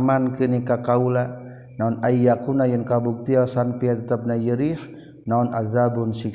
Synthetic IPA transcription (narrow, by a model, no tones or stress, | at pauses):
mankənikakaula | naunaijakunajənkabuk̚t̪iasanpiat̪ət̪ap̚najəɾih | naunʔaðabunsik